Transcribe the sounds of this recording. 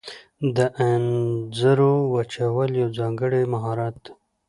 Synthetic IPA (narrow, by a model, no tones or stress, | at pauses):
d̪əʔanzəɾowat͡ʃawəljawzɑŋɡəɽemaɦɑɾat̪